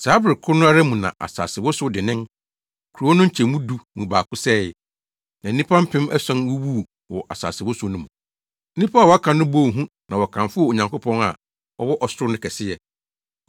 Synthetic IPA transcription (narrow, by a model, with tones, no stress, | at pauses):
saː˨˦bɾɪ˨kʰʊ˦nʊ̃˦a˦ɾɛ˦mũ˨nã̰˨ʔa̰˨sa̰ː˨sɪ˨wɔ˦sʊ˦dɪ˨nɪ̃˦n | kʰu˨ɾu˨o˦nʊ̃˦ɲ̩˦t͡ɕʰɛ˨mũ˦du˨mũ˨baː˨kʊ˦sɛ˦˨ɛ˨ | nã˨n̩˦ĩ˦pʰã˦m̩˦pʰɪ̃˦mɛ˦sɛ̃˦nwu˦wu˦˨ | wɔ˨ʔa̰˨sa̰ː˨sɪ˨wɔ˦sʊ˦nʊ̃˦mũ˨˦ | nĩ˦pʰa˦˨wɔ˨˦a˦kʰã˨nʊ̃˦bo˦˨ɦũ˦ | nã˨wɔ˨kʰã˨ɱfʊ˦ɔ˦˨o˨ɲã˨ŋkʊ˦pʰɔ̃˦na˨ | ɔ˦wɔ˦ʔɔ˨sʊ˦ɾʊ˦nʊ̃˦kʰɛ˨sɪ˦jɛ˨